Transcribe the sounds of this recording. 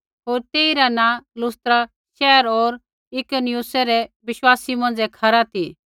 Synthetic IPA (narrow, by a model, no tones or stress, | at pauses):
ɦoːɾt̪eːiɾanalʊst̪ɾa | ʃɛːəɾoːɾ | ɪkonɪjusɛɾɛbɪʃwaːsimɐ̃nd͡zɛkʰɐɾat̪ʰi